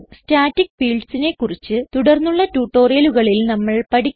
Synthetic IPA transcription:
staːtːikfiːɭɖsine̞kːurit͡ɕːɨt̪uɽɐrnːuɭːɐtuːʈːo̞ːrijɐluɣɐɭilnɐmːɐɭpɐɽi

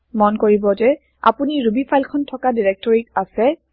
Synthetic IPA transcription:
mɔnkoɹibɔzɛ | a̰puniɹubipʰajlkʰɔntʰɔkadiɹɛk̚tɔɹikasɛ

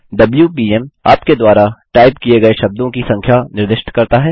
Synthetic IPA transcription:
ɖɐbljupiːɛma̰ːpked̪waːɾaʈaːɪbkieɡɐeʃɐb̚d̪õkisɐ̃ŋkʰjanɪɾd̪ɪʃʈkɐɾt̪aɦɛː

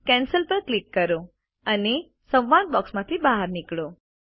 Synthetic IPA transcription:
kɛ̃nsəlpəɾklikːəɾõ | əne | sə̃ʋʋãnbɔksmãt̪ʰibaɦəɾnɪkɭõ

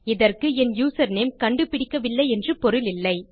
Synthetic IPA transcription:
ɪðɐrkɯɛnjuːsɐɾnemkɐɳɖɯpɪɽɪkːɐʋɪlːɐɪɛndrɯpɔɾɯlɪlːɐɪ

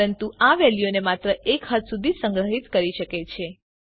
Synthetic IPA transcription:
ənt̪uaʋɛlijonemat̪ɾəʔekɦət̪sud̪ʱisəŋɡɾəɦit̪kəɾiʃəket͡ʃʰe

